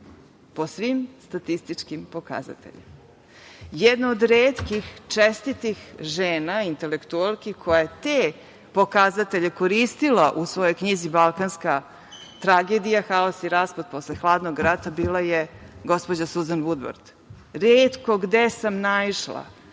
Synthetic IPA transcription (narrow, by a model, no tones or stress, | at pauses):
po̞sʋimst̪at̪ist̪it͡ʂkimpo̞ka̰za̰t̪ḛʎḛm | jed̪naod̪ɾeːt̪kixt͡ʂest̪it̪ixʒeːnaint̪elekt̪ualˠkikʰojajet̪e | po̞kazat̪e̞ʎe̞ko̞ɾist̪ilaʔusʋo̞jo̞jkɲizibalˠkanska | t̪ɾaɡeːd̪ijaxaosiɾaːspod̪̚po̞slexlˠaːd̪noɡɾat̪abiːlˠajeɡo̞spod͡ʑasuzanʋud̪ʋa̰ɾd̪ | ɾeːt̪koɡd̪esamnaiʂlˠa̰